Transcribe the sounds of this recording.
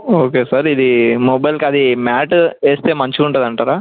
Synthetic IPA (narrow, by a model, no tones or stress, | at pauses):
oːkeːsaːɾid̪imɔbɐjlkɐd̪imaːʈeːst̪e̞ːmɐɲt͡ʃiuɳʈɐd̪ɐɳʈaːɾaː